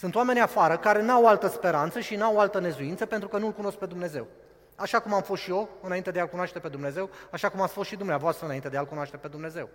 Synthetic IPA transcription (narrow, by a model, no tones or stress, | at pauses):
sunt̪oame̞niafaɾəkaɾe̞nuawalt̪əspe̞ɾant̪səʃinuawalt̪əne̞zuint̪səpe̞nt̪ɾukənulkuno̞sk̚pe̞d̪umne̞ze̞̰w | aʃakumamfo̞st̪ʃio̞ɨnaint̪e̞d̪ealkunaʃt̪e̞pe̞d̪umne̞ze̞waʃakumat̪sfosʃid̪umneavoast̪ɾəɨnaint̪e̞d̪ealkunoaʃt̪epe̞d̪umne̞ze̞w